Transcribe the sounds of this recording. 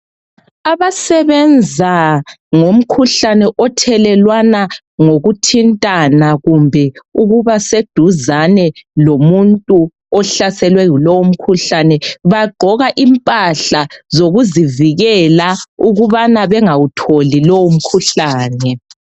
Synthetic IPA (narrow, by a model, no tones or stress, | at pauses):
aβasɛβɛnd͡zʱa | ŋom̩kʰuɬanɛʔɔtʰɛlɛlwana | ŋoɣutʰintʼanaɣumbʱɛuɣuβased̥ʱuzanɛlomuntʼu | ɔɬasɛlwɛɣulɔwom̩kʰuɬanɛβaɡ͡ǃʱɔɣaʔimpʼaɬazoɣuziviɣɛlauɣuβanaβɛŋawutʰolilɔwum̩kʰuɬaːnɛ